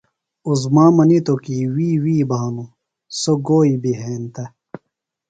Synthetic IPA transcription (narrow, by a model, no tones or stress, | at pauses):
uzmaːmɐnit̪okiwiːwiːbaːnu | soɡoːibiɦeːnt̪ɐ